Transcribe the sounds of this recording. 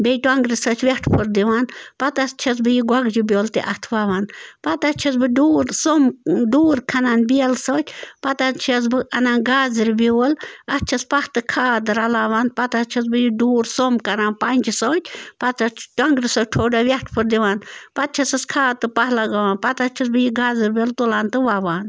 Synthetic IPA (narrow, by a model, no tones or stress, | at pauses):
bʲejʈɐŋɡɾisoːt͡ʃʲʰʋʲɐʈʰpʰɨɾd̪iʋanpɐt̪ɐst͡ʃʰɐs̬bɨjiɡwɐɡd͡ʒibʲoːlt̪ḭʔɐt̪ʰʋaːʋanpɐt̪ɐt͡ʃʰɐsbɨɖuːɾsomɖuːɾkʰɐnaːnbiɐlsoːt̪ʰʲpɐt̪at͡ʃʰɐs̬bɨʔɐnaːnɡaːzɾibilɐst͡ʃʰɐspɐht̪ɨkʰaːt̪̬ɨɾɐlaːʋaːnpɐt̪ast͡ʃʰɐs̬bɨjiɖuːɾsomkɐɾaːnpɐnʲd͡ʒisoːt̪ʲpɐt̪t͡ʃɐt͡ʃʰʈɐŋɡɾɨsoːʈʰoːɖɐʋʲɐʈʰpʰɨɾd̪iʋaːnpɐt̪̚t͡ʃʰɐsɐskʰaːt̪ɨpɐɦlaɡɐʋaːnpɐt̪ɐt͡ʃʰis̬bɨjiɡaːzɨɾʲbʲjolt̪ulaːnt̪ɨʋaːʋaːn